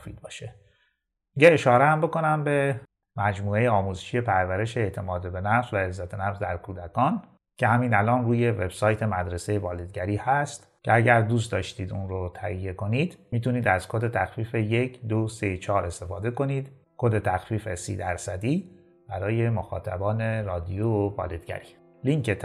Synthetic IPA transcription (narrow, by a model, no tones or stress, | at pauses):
fiːd̪̚bɒːʃe | miɟeːʃɒːɾeæmbo̞ko̞næmbe̞ | mæd͡ʒmuːe̞jeɒːmuzeʃije̞pʰæɾvæɾe̞ʃeːt̪ʰe̞mɒːd̪ebe̞næfzvæezːæt̪ʰenæfzd̪æɾkʰuːd̪ækʰɒːn | cʰehæmiːnælɒːnruːje̞ve̞̰b̥sɒːjt̪ʰe̞mæd̪ɾesejevɒːled̪̚ɡæɾiːhæst̪ | cʰeæɟæɾd̪uːs̬t̪d̪ɒːʃt̪iːd̪unɾot̪ʰæhijːe̞ko̞niːd̪miːt̪uniːd̪æzkʰod̪e̞t̪ʰæxfiːfeje̞kʰd̪oset͡ʃʰɒːɾe̞st̪e̞fɒːd̪e̞ko̞niːd̪̥ | kʰod̪e̞t̪ʰæxfiːfesḭːd̪æɾsæd̪iː | b̥æɾɒːje̞moxɒ̰ːt̪ʰæ̰bɒːne̞ɾɒːd̪ijovɒ̰ːled̪̥ɡæ̰ɾiː | liŋce